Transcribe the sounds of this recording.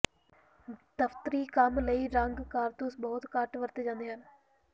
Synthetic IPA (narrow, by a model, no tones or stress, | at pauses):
t̪ɐft̪ɾiːkaːmlɐjɾaːŋɡɨkaːɾt̪uːsbɐɦut̪kaːʈːɨʋɐɾt̪ɨd͡ʑɐnd̪ɐjaːn